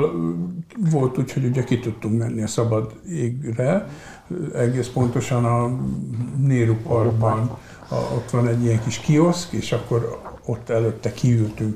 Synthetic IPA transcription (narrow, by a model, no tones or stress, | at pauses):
l | vo̞lt̪uːcho̞ɟuɟɛkit̪ut̪t̪ːuŋkmɛnːiɒsɒbɒd̪eːɡrɛ | ɛɡeːspo̞nt̪o̞ʃɒnɒ | neːɾukpɒrbɒn̰ | ot̪ːʋɒnɛɟːiɛŋkiʃkio̞skeːʃɒkːo̞ɾo̞t̪ːɛløt̪ːɛkiylt̪yŋk